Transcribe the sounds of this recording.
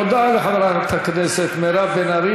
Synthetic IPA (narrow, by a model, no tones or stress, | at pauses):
od̪aaleχavaɾat̪ʰaknɛset̪meɾabenaɾi